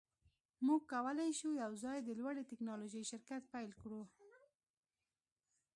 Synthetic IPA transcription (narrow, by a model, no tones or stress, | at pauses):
muɡ̚kawəlajʃujawzɑjd̪əlwaɽit̪ɪknɑloʒəjʃɪɾkat̪̚pajlkɽu